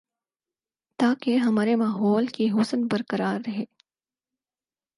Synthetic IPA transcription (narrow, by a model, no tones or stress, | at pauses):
t̪aːkeɦɐmaːɾemaːɦɔːlkiɦʊsnbɐɾkɐɾaːɾːɐɦeː